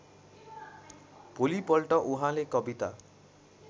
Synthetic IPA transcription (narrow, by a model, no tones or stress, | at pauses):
polipɔlʈɔʔuɦãlekɔbit̪a